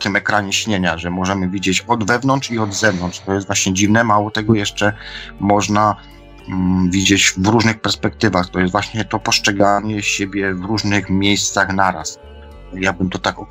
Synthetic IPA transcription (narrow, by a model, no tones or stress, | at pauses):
kʲɪmɛkɾaɲɛɕɲeɲaʐɛmɔʐɛmɘvʲid͡ʑet͡ɕɔd̪vɛvnɔntt͡ʂiɔd̪zɛvnɔntʂt̪ɔjɛst̪vwaɕɲɛd͡ʑivnɛmawɔt̪ɛɡɔjɛʂt͡ʂɛmɔʐna | vʲid͡ʑet͡ɕvɾuʐnɘxpɛɾspɛk̚t̪ɘvaxt̪ɔjɛst̪vwaɕɲɛt̪ɔpɔʂt͡ʂɛɡaɲɛɕebʲjɛvɾuʐnɘxmʲjejst̪saxnaɾa̰s | jabɘmt̪ɔt̪akɔ